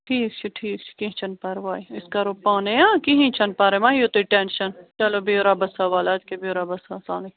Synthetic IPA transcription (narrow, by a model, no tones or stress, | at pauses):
ʈʰiːkt͡ʃʰiʈʰiːkt͡ʃʰi̥kiɦĩt͡ʃʰɐnpaːɾʋaːiɪskaɾopaːnejãːkiɦĩt͡ʃʰɐnpaːɾemaːɦiot̪iʈenʃɐnt͡ʃɐlobʱioɾabɐsaʋaːlaːt̪kebʱioɾabɐsãsaːlẽ